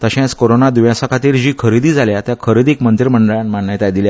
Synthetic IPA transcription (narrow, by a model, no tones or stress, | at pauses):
t̪əɕɛ̃skoɾonad̪uʋjãsakʰat̪iːɾd͡ʑiːkʰəɾid̪iːd͡zaljat̪jakʰəɾid̪iːkmənt̪iɾməɳɖəɭãnmanːəjt̪ajd̪ilja